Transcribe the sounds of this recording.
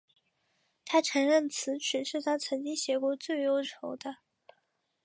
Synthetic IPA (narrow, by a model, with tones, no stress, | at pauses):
t̪ʰa˥ʈ͡ʂʰə˧˥ŋɻə˥˩nt͡sʰɹ̩˧˥ʈ͡ʂʰɻ̩˨˩ʂɻ̩˥˩t̪ʰa˥t͡sʰɤ˧˥ŋt͡ɕi˥ŋɕjɛ˧˥kwɔ˧˥t͡swe˥˩ɪjo˥ʊʈ͡ʂʰo˧˥ʊd̪ə˧